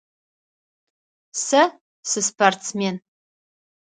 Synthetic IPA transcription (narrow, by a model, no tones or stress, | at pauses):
sɐ | sɨspʰartt͡smen